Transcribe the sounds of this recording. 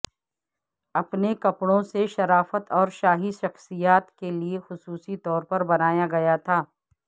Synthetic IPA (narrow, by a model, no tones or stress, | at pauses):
ɐpnekɐpɽõseʃɐɾaːfət̪ɔːɾʃaːɦiʃɐxsijaːt̪keliexʊsuːsit̪ɔːɾpɐɾbɐnaːjaɡɐjat̪ʰaː